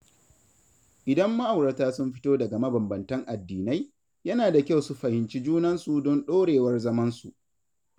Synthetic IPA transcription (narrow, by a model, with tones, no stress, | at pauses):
ʔɪ˨dɐ˦mːɐ˦ʔa˨wɽɐ˨taː˦sʊ˦mɸɪ˦toː˦dɐ˨ɡa˨mɐ˦bɐ˨mbɐ˨ntɐ˦ŋʔa˨dːiː˨na˦j | jɐ˦naː˨da˨kʲa˦˨wsu˦ɸɐ˨hɪ˨nt͡ʃi˦d͡ʒuː˦nɐ˦nsu˨dɔ˦nɗoː˦ɽeː˨wɐ˦rzɐ˦mɐ˦nsu˨ʔ